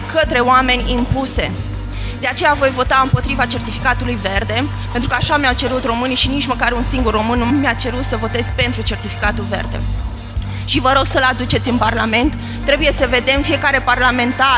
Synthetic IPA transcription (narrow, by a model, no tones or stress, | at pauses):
kət̪ɾe̞oame̞nʲimpuse̞̰ | d̪e̞at͡ʃe̞javo̞jvo̞t̪aɨmpo̞t̪ɾivat͡ʃe̞rt̪ifikat̪ulujve̞rd̪e̞ | pe̞nt̪ɾukəaʃamjawt͡ʃe̞ɾut̪ro̞mɨniʃinit͡ʃməkaɾunsiŋɡurːo̞mɨnːmjat͡ʃe̞ɾut̪səvo̞t̪e̞zpe̞nt̪ɾut͡ʃe̞rt̪ifi̥kat̪ulve̞̰rd̪e̞̰ | ʃivəɾo̞ɡsəlad̪ut͡ʃe̞t̪sʲɨnparlame̞nt̪ː | ɾe̞buje̞səve̞d̪e̞mfije̞kaɾe̞parlame̞nt̪a